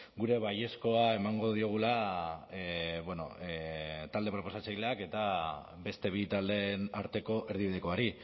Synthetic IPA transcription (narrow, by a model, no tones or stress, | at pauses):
ɡuɾe̞βaje̞sko̞ae̞maŋɡo̞ð̞io̞ɣ̞ula | beno̞̰ | t̪ald̪e̞pɾo̞po̞sat͡sajle̞ake̞t̪a | be̞st̪e̞β̞it̪ald̪enaɾt̪e̞ko̞ʔe̞ɾð̞iβiðeko̞aɾi